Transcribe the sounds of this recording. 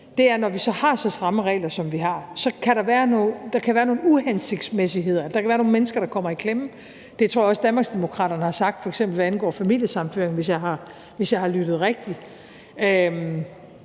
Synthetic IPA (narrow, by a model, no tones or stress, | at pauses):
d̥e̝æɐnɒʋisɒ̽hɑ̈sɒ̽sd̥ʁɑ̈məʁɛ̰ːlɐsɒ̽mʋiɦɑ̈sɒ̽kʰæɾɑ̈ʋæːɐnod̥ɑ̈kʰæʋæːɐno̝ːn̩uhenseɡ̥̚d̥smesiɦe̝ð̞̰ˠɐd̥ɑkʰæʋæːɐno̝ːnmenəsɡ̥ɐɾ̥ɑ̈kʰɒ̽m̰ɐikʰlem̩ | d̥e̝t͡sʰo̝ɐjɒsd̥ænmɑ̈ɡ̥sd̥emo̝kʰʁɑ̰̈ːɾ̥ɐnəhɑ̈sɑ̈ɡ̥̚d̥fɒ̽eɡ̥sembl̩ʋæænɡ̥ɒ̰ːfæmḭl̰jəsɑ̈m̩føɐeŋn̩ʋe̝s̬jɑ̈ɪɦɑ̈ | ʋe̝sjɑ̈ɪhɑ̈lyd̥ð̞̩ˠʁɛɡ̥̚d̥i | øm